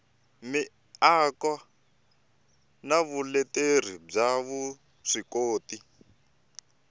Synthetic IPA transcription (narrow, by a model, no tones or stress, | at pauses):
mi | akwa | naβulɛter̤ib͡ʐaβu | ʂikoːti